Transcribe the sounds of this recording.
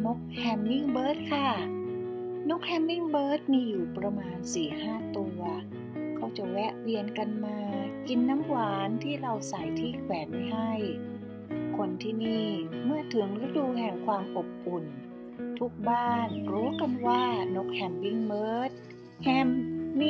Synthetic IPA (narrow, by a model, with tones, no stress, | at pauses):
no˦˥k̚hɛ˧mːi˥˩ŋbɤː˦˥t̪̚kʰa˥˩ | no˦˥k̚hɛ˧mːi˥˩ŋbɤː˦˥t̪̚miː˧juː˨˩pɾa˧maː˧nsiː˨˩haː˥˩t̪u˧ɐ | kʰa˦˥˩wt͡ɕa˨˩wɛ˦˥ʔɾi˧ənka˧nmaː˧ki˧nːa˦˥mwaː˩˦nt̪ʰiː˥˩ɾa˧wsa˨˩jt̪ʰiː˥˩kʰwɛː˩˦nha˥˩j | kʰo˧nt̪ʰiː˥˩niː˥˩mɯ˥˩ɐt̪ʰɯ˩˦ŋɾa˦˥duː˧ɦɛ˨˩ŋkʰwaː˧mʔo˨˩p̚ku˨˩n | t̪ʰu˦˥k̚baː˥˩nɾuː˦˥ka˧nwaː˥˩no˦˥k̚hɛ˧mːi˥˩ŋbɤː˦˥t̪̚ | hɛ˧mː˥